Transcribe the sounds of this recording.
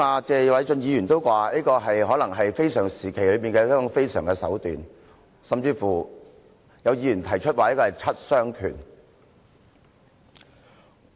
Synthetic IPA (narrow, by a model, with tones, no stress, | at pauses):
aː˨˧t͡sɛː˧wɐ˨˥jt͡sɵ˧njiː˨˧jyː˨˩nt̪o˥wkʷaː˧niː˥kɔː˧ɦɐ˨jɦɔː˨˥lɐ˨˩ŋɦɐ˨jfe˥jsœː˨˩ŋsiː˨˩kʰe˨˩lɵ˨˧ɥpiː˨nkɛː˧jɛː˥kɔ˨˥ŋfe˥jsœ̰ː˨˩ŋkɛ˧sɐ̰˨˥wt̪yː˨n | sɐ˨mt͡siː˧fuː˨˩ | jɐ˨˧wjiː˨˧jy˨˩nt̪ʰɐ˨˩jt͡ʃʰɵ˥t̚waː˨ni˥kɔː˧hjt͡sʰɐ˥t̚sœː˥ŋkʰy̰ː˨˩n